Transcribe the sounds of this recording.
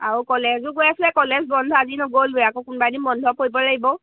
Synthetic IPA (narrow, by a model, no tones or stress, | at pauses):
aɹukɔlezʊɡojaslɛkɔlɛzbɔndʱɔazinɔɡolbujakokunbanimɔndʱɔpoɹibɔlaɡibɔ